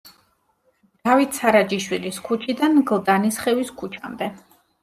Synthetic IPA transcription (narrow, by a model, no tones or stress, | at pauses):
d̪̥avit̪ʰsaɾad͡ʒiʃwiliskʰut͡ʃʰid̪anɡlˠd̪anisχɛviskʰut͡ʃʰa̰md̪ɛ